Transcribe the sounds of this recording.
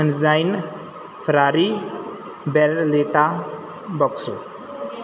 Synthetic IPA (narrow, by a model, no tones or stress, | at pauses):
ənzajn | pʰɾaɾi | bɛɾleʈa | bɔksu